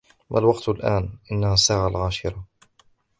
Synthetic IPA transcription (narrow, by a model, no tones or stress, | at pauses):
mʔa̰lwɑqt̪lʔaːnʔɪnːahasːaːʕalɣaːʃɪɾa